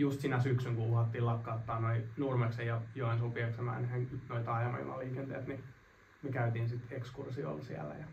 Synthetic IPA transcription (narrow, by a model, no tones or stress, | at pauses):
just̪sinæsyksyŋkuuhɑt̪ːiːlɑkːɑot̪ːɑːnoinurmeksejjɑjoensopieksemæ̰ːnhenoit̪ɑjɑmɑ̰ḭmɑ̰liːkent̪ḛːt̪ni | mekæyt̪iːnsit̪ekskursio̰lsiæ̰læ̰jɑ